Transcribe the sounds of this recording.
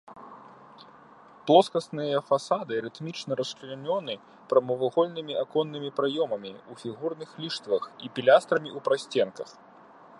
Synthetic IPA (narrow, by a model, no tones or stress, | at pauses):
plˠɔskɐsnɨjɐfasad̪ɨɾɨt̪mʲit͡ʂnɐɾɐsklʲanʲɔnɨ | pɾɐmɐvɐɣɔlʲnɨmʲiʔakɔnːɨmʲipɾajɔmɐmʲiufʲiɣurnɨxlʲiʂt̪vɐxipʲilʲast̪ɾɐmʲiʔupɾasʲt͡sʲɛnkɐ̰x